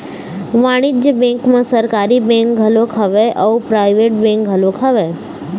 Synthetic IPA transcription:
ʋaɽ̃id͡ʒd͡ʒjəbɛ̃ŋkmãsəɾkaɾibẽŋk̚ɡʱəlokʰəʋeʔəupɾajʋeʈ̚bẽŋk̚ɡʱəlokʰaʋe

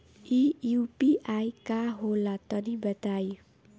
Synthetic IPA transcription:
iupiʔajkaɦolat̪ʌɾibʌt̪aj

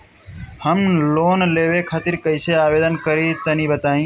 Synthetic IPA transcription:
həmloːnleːʋeːkʰat̪ɪɾkəɪseːaːʋeːd̪ənkəɾiːt̪əniːbət̪aːĩː

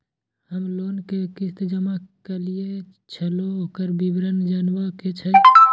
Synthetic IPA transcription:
həmlonkekist̪d͡ʒəmakelie | t͡ʃʰəlookəɾbibɾənd͡ʒənbəket͡ʃʰə

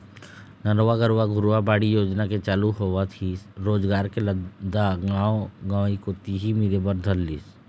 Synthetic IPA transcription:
nəɾʋaɡəɾʋaɡʱʊɾʋabaːɽijoːd͡ʒnaket͡ʃaːluɦoʋat̪ʰiɾoːd͡ʒɡaːɾkeləd̪aɡãːoɡaːʋikot̪iɦimiɾebəɾd̪ʱəlːiːs

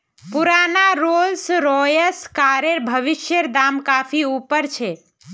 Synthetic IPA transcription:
puɾaːnaɾolsɾɔjəskaɾeɾbʱəʋɪʃjəɾd̪aːmkaːpʰiupəɾt͡ʃʰe

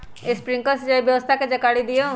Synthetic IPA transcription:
espɾɪ̃ŋkəsd͡ʒaibjɐʋəst̪ʰaked͡ʒɐkaːɽid̪ijo

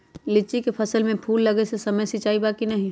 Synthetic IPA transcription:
lɪt͡ʃikepʰɐsəlmẽpʰuːlːɐɡesesɐməjsit͡ʃaːibaːkinɐɦĩ

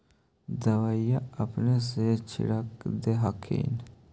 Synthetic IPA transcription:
d̪ɐwajaɐpnes̬et͡ʃʰɪ̰ɾəkd̪eɦakʰḭn

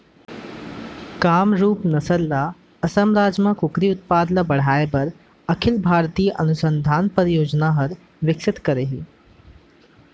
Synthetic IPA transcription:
kaːmɾuːpnɐsəɾla | ɐsəmɾaːd͡ʒmãkʊkɾiʊt̪̚paːd̪labɐɽ̤aːepɐɾ | ɐkʰɪlbʱaːɾt̪iːjəʔɐnʊsə̃nd̪ʱaːnpəɾjoːd͡ʒnaɦɐɾ | ʋɪkʃɪt̪kɐɾeɦḭː

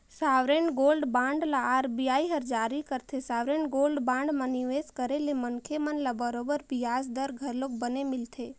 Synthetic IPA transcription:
saʋɾeɳɡolɖbãɳɖlaaɾbijaiɦəɾd͡ʒaɾikəɾt̪ʰesaʋɾeɳɡolɖbãɳɖmãniʋeskəɾelemənkʰemənlabəɾobəɾbiazd̪əɾɡʱəɾlok̚bənemɪlt̪ʰe

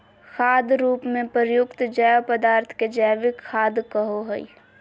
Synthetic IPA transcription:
xʰaːd̪ɾuːpmẽpəɾjʊkt̪d͡ʒəːʋpəd̪aːɾt̪ʰked͡ʒəːʋɪkʰːaːd̪kəɦoɦəḭ

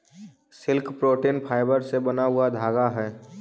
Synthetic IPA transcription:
sɪlkpɾoːʈeːnpʰaːɪbəɾsebənaɦʊad̪ʱaːɡaɦɛː

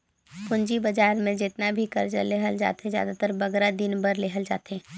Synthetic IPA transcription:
kʊ̃nd͡ʒibɐd͡ʒaːɾmẽd͡ʒɪt̪nabʱikɐ̰ɾd͡ʒə̰leɦəld͡ʒa̰ːt̪ezja̰ːd̪at̪əɾbɐɡɾad̪ɪnbəɾleːɦəld͡ʒa̰ːt̪eː

